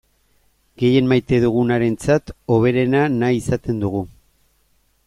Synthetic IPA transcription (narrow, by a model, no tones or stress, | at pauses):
ɡe̞je̞nmajt̪e̞ð̞uɣ̞unaɾe̞nt͡sat̪o̞β̞e̞ɾe̞nanaisat̪e̞nd̪uɣ̞u